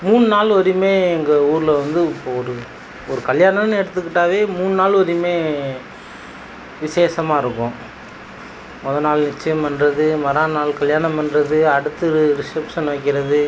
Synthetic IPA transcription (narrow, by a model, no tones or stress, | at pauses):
muːɳɯnaːlɔɾimeːɛŋɡɐuːɾɪlɐʋɐnd̪ɯɪpːoːɔɾɯ | ɔɾɯkɐljaːɳɐnɛɽɯt̪̬ːɯkːɪʈːaːʋeːmuːɳɯnaːlɔɾimeː | ʋɪseːsɐmaːɪɾɯkːʊ̃ | mɔðɐnaːlnɪt͡ʃːɐjɐmpɐnrɐðɯmɐɾaːnaːlkɐɭjaːɳɐmɐnrɐðɯɐɽɯt̪ːɯɾɯɾɪʂɐpsɐnʋɐɪkːɪɾɐðɯ